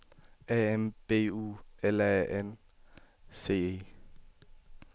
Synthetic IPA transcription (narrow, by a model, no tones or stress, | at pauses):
ɛɛmpʼeuːɛlɛʔɛn | see